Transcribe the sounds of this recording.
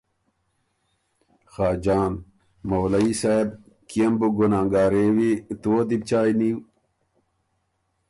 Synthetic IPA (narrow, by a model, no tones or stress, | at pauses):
xaːd͡ʑaːn | mowlɐisaːeb̚ | kiembuɡonãːŋɡaːɾeːwit̪uod̪ib̚t͡ɕaːiniw